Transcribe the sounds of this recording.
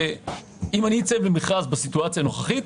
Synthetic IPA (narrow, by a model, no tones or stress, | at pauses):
e | imanit͡sevlemiχazbeasituat͡sjano̞χaχit̪